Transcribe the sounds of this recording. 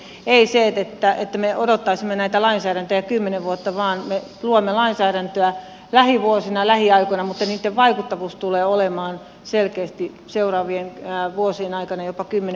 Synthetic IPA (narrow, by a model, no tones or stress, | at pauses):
eiseet̪et̪ːæet̪ːæmeodot̪ːɑisimːenæit̪ælɑinsæːɾænt̪øjɑkymːeneʋʋuot̪ːɑʋɑːnme | luomːelɑinsæːɾænt̪øæ | læhiʋuosinɑlæhiɑikoinɑmut̪ːɑniːt̪ːeʋʋɑikut̪ːɑʋuːst̪uleːolemɑːn | selkeːst̪i | seurɑːʋienːʋuosienɑikɑnɑjopɑkymːen